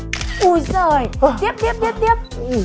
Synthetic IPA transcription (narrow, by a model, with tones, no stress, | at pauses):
ʔu˧˩zəː˨˩jt̪i˦əp̚t̪i˦əp̪̚i˦˥əp̚t̪i˦˥əp̚